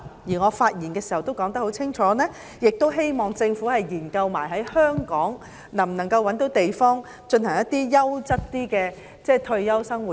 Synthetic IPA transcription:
jiː˨˩ŋɔː˨˧faː˧t̚jiː˨˩nkɛː˧si˨˩hɐ˨wt̪o˥wkɔː˨˥ŋt̪ɐ˥kho˨˥wt͡sʰɪ˥ŋt͡ʃʰɔː˨˥nɛː˥ | jɪ˨k̚t̪o˥wɦe˥jmɔː˨ŋt͡sɪ˧ŋfu˨˥hɐ˨jjiː˨˩nkɐ˧wmaː˨˩jɦɐ˨˥jhœː˥ŋkɔː˨˥ŋ | nɐ˨˩mnɐ˨˩ŋkɐ˧wːɐ˨˧˥nt̪o˨˥wt̪e˨jfɔː˥ŋ | t͡ʃɵ˧nhɐ˨˩ŋjɐ˥t̪̚ːiː˥jɐ˥wt͡sɐ˥t̚t̪iː˥kɛː˧ | t͡sɛː˥˩t̪ʰɵ˧ɥːɐ˥wsɐ˥ŋwu˨˩

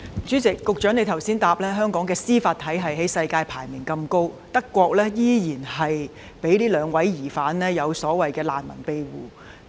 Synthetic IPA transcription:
t͡ʃyː˨˥t͡sɪ˨kːʊ˨k̚t͡ʃœː˨˥ŋne˨˧jt̪ʰɐ˨˩wsiː˥nt̪aː˧p̚lɛː˥ɦœː˥ŋkɔː˨˥ŋkɛː˧siː˥faː˧t̪ʰːɐ˨˥jɦɐ˨jɦe˨˥jsɐ˧jkaː˧jpʰaː˨˩jmɪː˨˩nkɐ˧mko˥w | t̪ɐ˥kːʷɔː˧k̚lɛː˥jiː˥jiː˨˩nɦɐ˨j | pe˨˥jliː˥lœː˨˧ŋwɐ˨˥jjiː˨˩faː˨˥nlɛː˥jɐ˨˧wsɔː˨˥wɐ˨jkɛː˧la̰ː˨nmɐ̰˨˩npe˧jwuː˨

